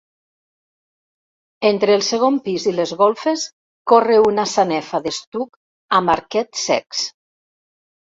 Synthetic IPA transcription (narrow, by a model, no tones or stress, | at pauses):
ent̪ɾeːlˠseɣ̞ompizilezɣolˠfes | koreunasanɛfaðest̪uk | amaɾkɛt̪sɛ̰ks